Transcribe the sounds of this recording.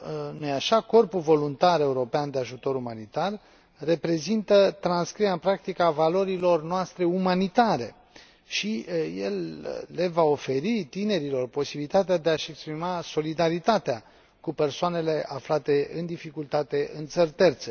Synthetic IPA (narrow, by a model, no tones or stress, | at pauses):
nojaʃako̞rpulvo̞lunt̪aɾe̞uɾo̞peand̪eaʒut̪o̞ɾumanit̪arː | e̞pɾe̞zint̪ət̪ɾanskɾiaɨnpɾak̚t̪ikavalo̞ɾilo̞rnoast̪ɾe̞umanit̪aɾe̞̰ | ʃijḛlːe̞vao̞fe̞ɾit̪ine̞ɾilo̞rpo̞sibilit̪at̪ead̪e̞aʃe̞kspɾimaso̞lid̪aɾit̪at̪ea | kupe̞rsoane̞le̞ʔaflat̪e̞ɨnd̪ifikult̪at̪e̞ɨnt̪sərʲt̪e̞rt̪se̞